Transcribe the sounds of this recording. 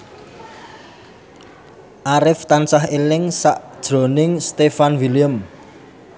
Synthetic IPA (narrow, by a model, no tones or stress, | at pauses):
ʔaɾɪft̪ansaɦelɪŋsaʔd̥ʒ̥ɾo̤nɪŋst̪efanwiliəm